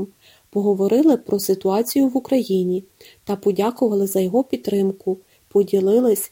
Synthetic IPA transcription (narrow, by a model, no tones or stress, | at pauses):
m | pɔɦɔʋɔɾɪlˠɪpɾɔsɪt̪ʊɑt͡sʲijʊʋukɾɐjinʲi | t̪ɐpɔdʲakʊʋɐlˠɪzɐjɔɦɔpʲid̪t̪ːɾɪmkʊ | pɔdʲilˠɪlˠɪsʲ